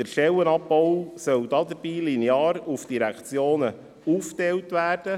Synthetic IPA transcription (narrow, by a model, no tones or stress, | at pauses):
dəɾʃɛwənɑpbɔʊsœwd̥̪ɑːd̪əɾb̥iːlinjɑːɾufd̥iɾækt͡sjoːnə | uftɛwtʋæːɾd̥ə